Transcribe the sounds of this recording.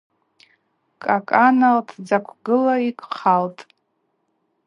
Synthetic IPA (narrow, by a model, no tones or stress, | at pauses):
kʼakʼanaltʰd͡zakʷʰɡɨlaikʷʼχaltʼ